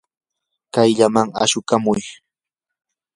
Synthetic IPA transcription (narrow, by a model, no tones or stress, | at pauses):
kajʎamaŋa̰ʃʊkamʊj